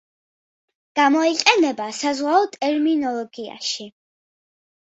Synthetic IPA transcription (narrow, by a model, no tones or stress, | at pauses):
ɡ̥amɔiqʼɛnɛbasazʁwaɔt̪ʼɛɾminɔlˠɔɡia̰ʃi